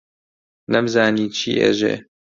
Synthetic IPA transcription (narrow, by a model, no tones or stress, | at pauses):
nɐmzaːniːt͡ʃʰḭːʔḛʒḛː